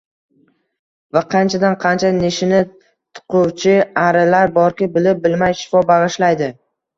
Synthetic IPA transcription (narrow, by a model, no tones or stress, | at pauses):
vaqʰɑnt͡ʃʰad̪anqʰɑnt͡ʃʰaneʃɪnɪ | t̪ʰʊ̥qʰʊwt͡ʃʰɪaɾɪlaɾbɒɾkʲɪbɪlɪp̚bɪlmajʃɪ̥fɒbɑʁɨʃlajd̪ɪ